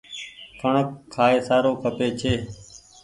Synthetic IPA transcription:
kʰəɳəkʰːaːeːsaːɾoːkʰəpeːt͡ʃʰeː

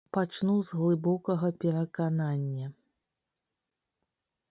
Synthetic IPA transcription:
pat͡ʂnuzɣlˠɨbɔkɐɣɐpʲɛɾɐkananʲːɐ

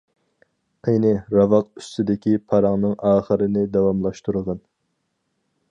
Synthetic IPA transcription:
ejnɪɾɑvɑqy̥st̪ʰɪd̪ɪkʲipʰɑɾɑŋnɨŋɑːχəɾɨnɪd̪ɛwɑmlˠɑʃt̪uɾəʁən

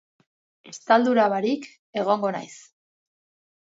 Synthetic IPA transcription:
e̞st̪ald̪uɾaβaɾik | e̞ɣ̞o̞ŋɡo̞na̰js

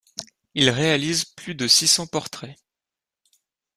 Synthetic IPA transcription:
ilʁealizplyd̪əsisɑ̃pɔʁt̪χɛ

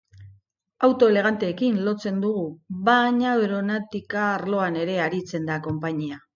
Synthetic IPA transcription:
awt̪o̞ele̞ɣ̞ant̪e̞ːkinlo̞t͡se̞nd̪uɣuβaɲaβeɾonat̪ikaːɾlo̞ane̞ɾe̞aɾit͡se̞nd̪ako̞mpaɲia

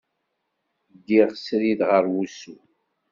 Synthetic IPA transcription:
ɡːiʁsɾiðʁəɾwusu

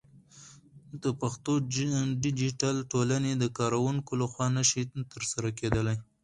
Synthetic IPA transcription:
d̪̥əpaxt̪oɖɪd͡ʒiʈalʈolaned̪əkɑɾawuŋkolaxwɑnaʃit̪əɾsaɾaked̪əlaj

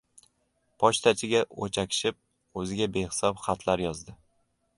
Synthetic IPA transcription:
pʰɒʃt̪ʰat͡ʃʰɪɡʲaot͡ʃʰakʲʰɪ̥ʃɪp̚ | ɵzɪɡʲabehɪ̥sɒpχat̪ʰlaɾjɒzd̪ɪ

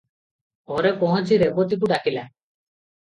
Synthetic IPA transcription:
ɔɾepɔɦɔ̃t͡ʃiɾebɔt̪ik̬uɖakila

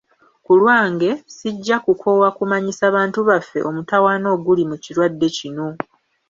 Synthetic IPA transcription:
kulwaːŋɡe̞siɟːakukʰo̞wakumaɲisaːβaːntuβafːe̞̰ʔo̞mutawaːno̞ːɡulimuciɾwadːe̞cino̞

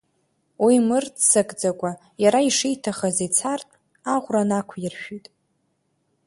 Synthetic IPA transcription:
wimɨrdsakʼd͡zakʷʼa | jaɾaiʂijtʰaχazet͡sʰartʼ | aʁʷranakʷʰjɪrʃᶣitʼ

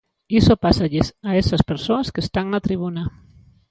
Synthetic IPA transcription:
isopasaʎesaesaspeɾsoaskest̪aŋnat̪ɾiβ̞una

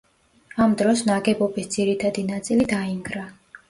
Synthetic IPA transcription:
amd̪ɾɔsnaɡɛbɔbisd̪ziɾit̪ʰad̪inat̪sʼilid̪aiŋɡɾa

